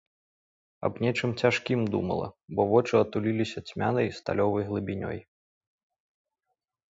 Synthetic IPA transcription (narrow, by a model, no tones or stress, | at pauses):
ɐ̰bnʲɛt͡ʂɨmt͡sʲaʂkʲimd̪ṵmɐ̰lˠɐ̰bɔvɔt͡ʂɨɐt̪ulʲilʲisʲɐt͡sʲmʲanɐjst̪a̰lʲɔvɐjɣlˠɨbʲinʲɔ̰j